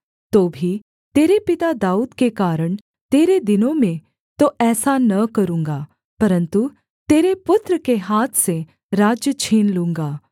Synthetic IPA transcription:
t̪oːbʱi | t̪eːɾepɪt̪ad̪aːuːd̪kekaːɾəɳ̃ | t̪eːɾed̪ɪnomẽ | t̪oɛːsanɐkəɾũːŋɡa | pəɾənt̪u | t̪eːɾepʊt̪ɾəkeɦaːt̪ʰsẽ | ɾaːd͡ʒjət͡ʃʰiːnlũːŋɡaː

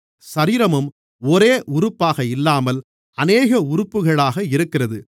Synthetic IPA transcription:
sɐɾiːɾɐmɯm | ɔɾeːʔʊɾʊpːaːɣɐɪlːaːmɐl | ɐneːɣɐʊɾʊpːɯɣɐɭaːɣɐɪɾɯkːɪrɐðɯ

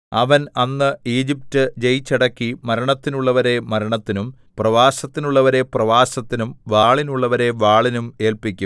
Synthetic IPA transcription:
ɐʋɐnɐnːɨiːd͡ʑip̚tɨd͡ʑejt͡ɕːɐɽɐkːimɐɾɐɳɐt̪ːinuɭːɐʋɐɾe̞mɐɾɐɳɐt̪ːinum | prɐʋaːsɐt̪ːinuɭːɐʋɐɾe̞prɐʋaːsɐt̪ːinumʋaːɭinuɭːɐʋɐɾe̞ʋaːɭinume̞ːlpikʲːum

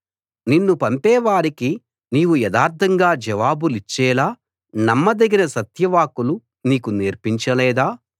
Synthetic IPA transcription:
ninːupɐmpɛːʋaːɾiki | niːwujɛd̪aːɾt̪ʰɐŋɡaːd͡ʒɐʋaːbulit͡ʃːɛːlaː | nɐmːɐd̪eɡinɐsɐt̪jɐʋaːkulu | niːkuneːɾpiɲt͡ʃɐlɛːd̪aː

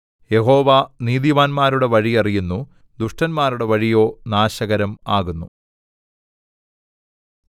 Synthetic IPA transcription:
je̞ɦo̞ːʋaniːðiʋaːnmaːɾuɽe̞ʋɐɻijɐrijunːu | d̪uʂʈɐnmaːɾuɽe̞ʋɐɻijo̞ːnaːɕɐɣɐɾɐmaːɣunːu

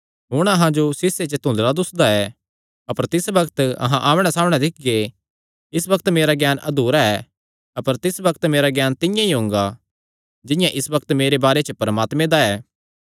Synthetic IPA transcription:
ɦʊɽ̃ɐɦãd͡ʒosɪsːet͡ʃət̪ʊ̃nd̪ɾad̪ʊsd̪aɛː | ɐpəɾt̪ɪsbɐkt̪ɐ̰ɦãʔaːmɽ̃ɛsaːmɽ̃ɛ̃d̪ɪk̚ʰɡe | ɪsbɐkt̪meːɾaɡjaːnʔɐd̪uːɾaɛː | ɐpəɾt̪ɪsbɐkt̪meːɾaɡjaːnt̪ɪjãiɦõːŋ̆ɡa | d͡ʒɪ̃jãʔɪsbɐkt̪meːɾebaːɾet͡ʃəpɐɾmaːt̪mẽd̪aɛː

